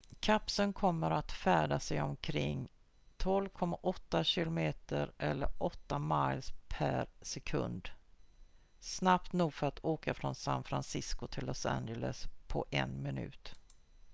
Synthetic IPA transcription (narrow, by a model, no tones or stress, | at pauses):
kʰapsənkʰɔmːəɾat̪fæːɖasɛjɔmkʰɾɪŋː | t̪ʰɔlvkʰɔmːaʔɔt̪ːaɕɪlʊmeːt̪əɾʔɛlːəɾɔt̪ːamajlspʰæɾsɛkʰɵ̰nd̪ | snapt̪nuːɡfœɾat̪ʰoːkafɾɔnsa̰nfɾansɪskʊt̪ʰɪlːɔsæ̰nd͡ʒələspʰɔʔɛnmɪnʉ̟ːt̪